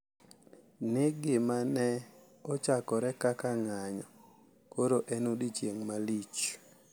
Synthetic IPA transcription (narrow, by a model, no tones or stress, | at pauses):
neɡɪmanɛ | ɔt͡ʃakɔɾɛkakaŋaɲɔ | koɾoʔɛnudit͡ʃjeŋmalit͡ʃ